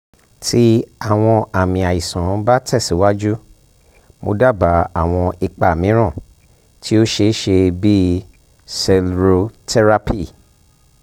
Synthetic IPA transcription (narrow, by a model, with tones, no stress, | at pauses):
tʰi˦a˦˨w̃ɔ̃˧a˨mĩ˧a˨ji˨sã˨˦ba˦tʰɛ˦˨si˨˦wa˦d͡ʒu˦ | mo̰˧da˦˨ba˨a˨w̃ɔ̃˧i˧k͡pa˨mĩ˨˦ɾ̃ã˦˨ | tʰi˦o˦ʃe˧˦ʃe˧bi˦ | sɛ˧lɾo˧tɛ˧ɾa˧pi˦˨